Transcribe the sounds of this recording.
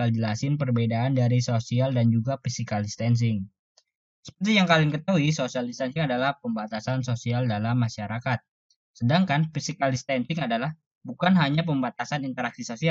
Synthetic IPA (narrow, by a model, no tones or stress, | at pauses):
ald͡ʒəlasɪnpərbedaːndaɾisosialdand͡ʒuɡafisikaldist̪ɛns̬ɪŋ | sə̥p̚ərt̪ijaŋkalɪŋkət̪auisosialdist̪ansɪŋadalahpəmbat̪asansosialdalamːaʃaɾakat̪̚ | sədaŋkanfisikalist̪ɛnsɪŋadalah | bukanɦaɲap̬əmbat̪asanint̪əɾak̚sisosia